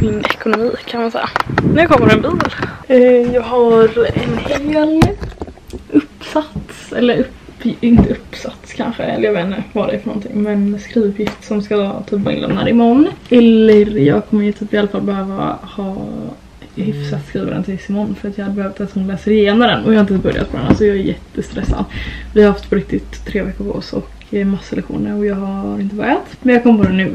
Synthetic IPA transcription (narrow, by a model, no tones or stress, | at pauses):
ɛnɛkʊnʊmiːkʰanmansɛ̰jːa̰d̪æɾkʰɔmːəɾɛnbiːlː | jɑːɡɦaɾɛnheːl | ʔɵpːsat̪sɛ̰lːəɾɵpɪnt̪əɵpːsat̪skʰa̰nɧə̰ɛ̰ləɾjaveːnəvɑːd̪ɛfœɳɔ̰nt̪ʰɪ̰ŋːmɛnskɾiːɵpjɪft̪sɔmska̰t̪ʰyːpːvɑːɪ̰nɛ̰mna̰ɾɪmɔnːɛlːəɾjɑ̰ːɡkʰɔmːəjʉt̪ʰyːpɪalːafalːbɛhøːva̰hɑː | hʏfsat̪skɾiːvad̪ɛnt̪ʰɪɪsɪmɔnːfœɾat̪jɑːhad̪ːəbɛøːvat̪ɛsɔmhʊnlɛːsəɾɪjeːnɔmd̪ɛ̰nʔɔjɑhaɾɪnpbœɾja̰t̪pʰɔd̪ɛna̰lsɔjɑːɛɾjɛt̪ːəst̪ɾɛsːa̰d̪vɪhaɾhaft̪pʰɔɾɪk̚t̪ɪt̪ʰːɾeːvɛkːʊɾpʰɔɔ̰sɔ̰kʰ | masːaɛlɛkɧṵːnəɾɔjɑːɡɦaɾɪnt̪əbɾat̪mɛnjɑɡkɔmːəpɔd̪ɛnːʉ̟ː